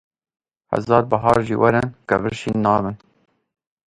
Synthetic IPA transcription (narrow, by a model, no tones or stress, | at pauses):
hæ̰zɑːɾbɐɦɑːɾʒḭːwæɾɛnkɐvɨɾʃiːnːɑːbɨn